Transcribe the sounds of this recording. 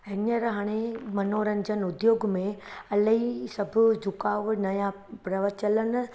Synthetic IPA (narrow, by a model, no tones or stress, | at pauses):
ɪnəɾɦaːɽ̃emɐnoːɾənɪ̆d͡ʑənʊd̪joːɡmẽɐləɦisɐbʱʊ̆d͡ʑʱʊkaːʋnɐja | pɾɐʋət͡ɕələn̆